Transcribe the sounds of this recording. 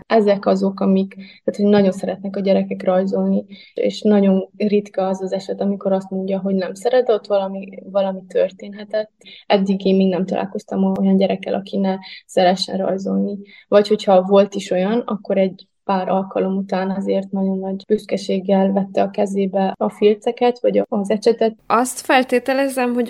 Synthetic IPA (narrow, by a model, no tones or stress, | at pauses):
ɛzɛkɒzo̞kɒmikt̪aːt̪hoɟnɒɟo̞nsɛɾɛt̪nɛkɒɟɛɾɛkɛkrɒjzo̞lni | ḛʃnɒɟo̞nrit̪kɒɛzɒzɛʃɛt̪ɒmiko̞ɾɒst̪mo̞ɲɟɒɦo̞ɟnɛmsɛɾɛd̪t̪ːʋɒlɒmivɒlɒmit̪ørt̪eːnɦɛt̪ɛt̪ːɛd̪ːiɡeːmmiːɡnɛmt̪ɒlʔa̰ːlko̞st̪ɒmɒojɒnɟɛɾɛkːɛ̰lʔɒkinɛsɛɾɛʃɛ̰nrɒ̰jzo̞lnivɒcho̞chɒvo̞lt̪iʃo̞jɒnɒkːo̞ɾɛɟ | paːɾʔɒlkɒlo̞mut̪aːnɛzeːrt̪nɒɟo̞nːɒɟb̥yst̪kɛʃeːɡːɛlvɛt̪ːɛɒkɛzeːbɛɒfilt̪sɛkɛt̪ʋɒɟɒɒzɛʃɛt̪ɛt̪ɒst̪fɛlt̪eːt̪ɛlɛzɛmɦo̞